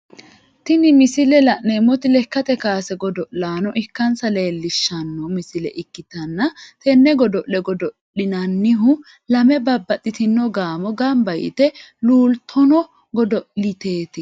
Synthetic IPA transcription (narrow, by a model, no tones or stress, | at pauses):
t̪ɪnɪmɪsɪlɛlɐʔneːmːɔt̪ɪlɛkːɐt̪ɛkaːsɛɡɔd̪ɔʔlaːnɔʔɪkːɐnsɐle̞ːlːɪʃːɐnːɔmɪsɪlɛ̰ʔɪkːɪt̪ɐnːɐt̪ɛnːɛɡɔd̪ɔʔlɛɡɔd̪ɔɗɪnɐnːɪɦʊ | lɐmɛbɐbːɐt̪ʼːɪt̪ɪnːɔɡaːmɔɡɐmbɐjɪ̰t̪ɛluːlt̪ʰɔnɔ | ɡɔd̪ɔʔlɪt̪e̞ːt̪ɪ